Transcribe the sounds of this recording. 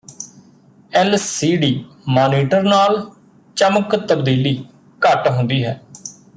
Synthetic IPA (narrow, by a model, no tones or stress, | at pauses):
ɛlsiːɖiː | maːniːʈəɾnaːl | t͡ʃəməkt̪əbd̪iːliː | kəʈɦʊ̃nd̪iːɦɛː